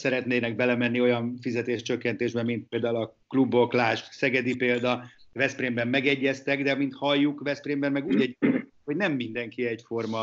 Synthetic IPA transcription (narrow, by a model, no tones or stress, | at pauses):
sɛɾɛt̪neːnɛɡ̚bɛlɛmɛnːio̞jɒɱfizɛt̪eːʃt͡ʃøkːɛnt̪eːʒbɛmint̪̚peːld̪aːulɒklubo̞klaːʃt̪sɛɡɛd̪ipeːld̪ɒvɛspreːmbɛmːɛɡɛɟːɛst̪ɛɡd̪ɛmint̪hɒjːukvɛspreːmbɛmːɛɡuːɟɛɟːɛnɛ | ho̞ɟnɛmːind̪ɛŋkiɛcfo̞rmɒ